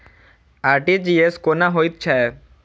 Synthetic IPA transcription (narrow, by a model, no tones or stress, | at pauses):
aɾʈid͡ʑieskonaɦojt̪̚t͡ɕʰɛ